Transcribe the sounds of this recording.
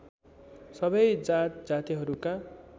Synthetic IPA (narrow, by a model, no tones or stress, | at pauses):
sʌbʌjd͡zat̪d͡zat̪iɦʌɾuka